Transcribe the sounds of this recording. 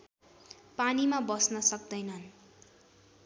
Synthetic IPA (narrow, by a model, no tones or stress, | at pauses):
panimabʌsnʌsʌkd̪ʌjnʌn